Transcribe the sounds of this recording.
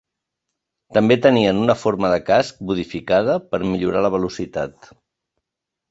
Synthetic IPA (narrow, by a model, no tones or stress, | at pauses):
t̪əmbet̪əniənunəfoɾməðəkask̚buðifikað̞əpəɾmiʎuɾaləβ̞əlusit̪at̪